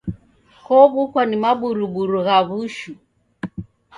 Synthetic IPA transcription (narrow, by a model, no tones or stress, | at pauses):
kɔβukwanimaɓuɾuɓuɾuɣaβuʃu